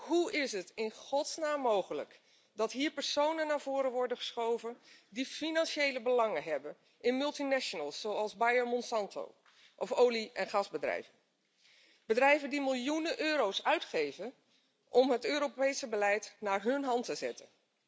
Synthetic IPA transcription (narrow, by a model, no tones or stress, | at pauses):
ɦuɪsɦətɪnχɔtsnaːmːowχələ̰k | dɑtɦiːɹpəɹsownənːaːɹv̥ʊːɾənʋɔɹdəχə̥sχowvəndifinɑnʃejləbəlɑŋənɦɛbən | ɪnmɵlˠtinɛʃonəlˠsːowɑlˠzbajəɹmɔnsɑntʰo̰w | ʔɔfowliɛnχɑzbədrɛ̰jvə | b̥ədrɛjvəndimɪlˠjunənʔøːɾowsœɥtχejvən | ʔɔmɦətøːɾopejsəbəlɛjtnaːɹɦɵnɦɑntəzɛ̰tə̰n